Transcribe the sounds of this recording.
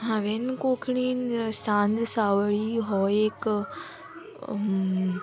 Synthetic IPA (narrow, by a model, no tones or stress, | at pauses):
ɦãːʋenkoːkʰɽ̃iːnsãːnd̪saːʋəɭiɦɔek